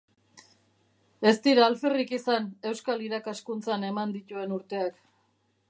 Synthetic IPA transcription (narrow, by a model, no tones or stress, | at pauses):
e̞st̪iɾaːlferikisane̞wskaliɾakaskunt͡sane̞mand̪it̪ue̞nuɾt̪e̞ak